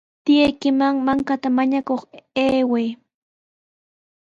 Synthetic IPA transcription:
t̪ɪjajkɪmaŋmaŋkat̪amaɲakoχeːwej

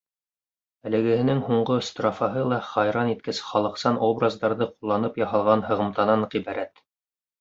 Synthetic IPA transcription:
ælɘ̆ɡɘ̆hɘ̆nɘŋhuɴɢost̪rɑfɑɦɤlˠɑχɑjɾɑnit̪̚kɘsχɑlˠɤ̆qsɑnʔobrazd̪ɑɾðɤqulˠːɑnɤpjɑɦɑlˠʁɑnhɤ̆ʁɤ̆mt̪ɑnɑɴʁiβæɾæt̪

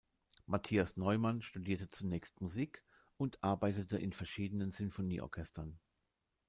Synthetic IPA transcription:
matʰiːasnɔʏmanʃtudiːɐtət͡sunɛːçstmuziːk | ʊntʰʔaɐbaɪtətəʔɪnfɛɐʃiːdənənz̥ʏnfonḭːʔɔ̰ɐkʰɛstɐn

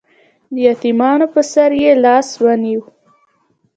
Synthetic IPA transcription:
d̪əjɑt̪imɑnopəsaɾjelɑswaniw

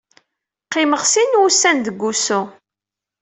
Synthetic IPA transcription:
qːɪməʁsinwusænd̪əɡʷːusu

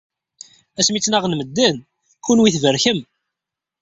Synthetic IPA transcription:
æsmit͡sːnæʁnməd̪ːæn | kunwiθvəɾçəm

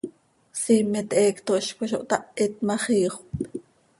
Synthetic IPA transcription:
simet̪ʔeːkt̪oʔʃkʷeʃ̬oʔt̪aʔet̪̚maχiːχp

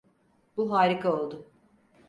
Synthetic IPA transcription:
buɦaːɾikʰao̞lˠd̪ʊ

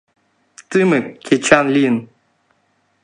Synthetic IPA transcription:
t̪ɨmɨkʲʰet͡ʃʰanlin

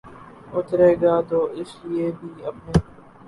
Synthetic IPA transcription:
ʊt̪ɾeːɡaːt̪oːʔɪslɪeːbʱiːəpneː

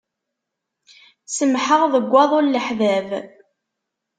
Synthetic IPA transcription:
səmħəʁðəɡʷːɑðˤolləħðæv

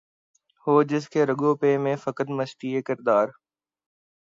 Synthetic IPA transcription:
hoːd͡ʒɪskʰeːɾəɠoːpeːmẽfəkət̪məʃʈ̪iːekɪɾd̪aːɾ

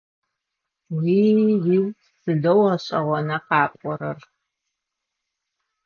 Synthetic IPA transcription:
wiːjiw | sɨdɐwɐɕʼɐʁʷɔnɐqɑːpʷʼɔɾɐr

